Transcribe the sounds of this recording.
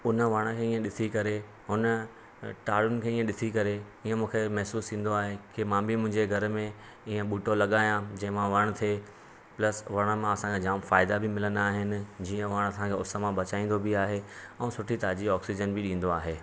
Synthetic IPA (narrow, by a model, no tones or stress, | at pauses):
ʊnəʋɐɽ̃ə̆kʰeːiːə̃ɗɪsʰikɐɾe | ɦʊnə | ʈaːɽʊnɪ̆kʰeiːə̃ɗɪsʰikɐɾeiːə̃mũːkʰemɛɦsuːsĩːn̆d̪oaːɦekɪmãːbʱɪmʊ̃ɦɪ̃ɲd͡ʑeɡʱɐɾmẽ | iːə̃ɓuːʈolɐɠaːjãd͡ʑɐ̃ɦmãʋɐɽ̃t̪ʰie | plɐsʋɐɽ̃ə̆mãɐsãkʰed͡ʑaːmfaːɪd̪abʱɪmɪlənaːɦɪnɪ̆d͡ʑiːə̃ʋɐɽ̃ɐsãkʰeʊsəmãɓɐt͡ɕaːĩːnd̪obiaːɦeɛ̃ːsʊʈʰit̪aːd͡ʑiɔːksid͡ʑənbɪɗĩːn̆d̪oaːɦeː